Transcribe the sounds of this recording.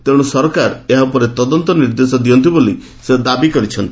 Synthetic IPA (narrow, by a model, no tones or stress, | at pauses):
t̪eɽ̃usɔɾkaɾeɦaupɔɾet̪ɔd̪ɔnt̪ɔniɾd̪esɔd̪iɔnt̪iboli | sed̪abikɔɾit͡ʃʰɔnt̪i̥